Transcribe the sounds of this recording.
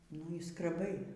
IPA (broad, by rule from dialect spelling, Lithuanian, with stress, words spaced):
nʊ iː skrʲɛˈbɐɪ